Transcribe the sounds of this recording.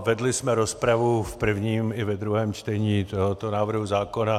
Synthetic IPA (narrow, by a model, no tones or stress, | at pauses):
vɛdlɪsmɛɾospɾavufpr̩vɲiːmɪvɛd̪ɾuɦɛːmt͡ʃt̪ɛɲiːt̪oɦot̪onaːvr̩ɦuzaːko̞na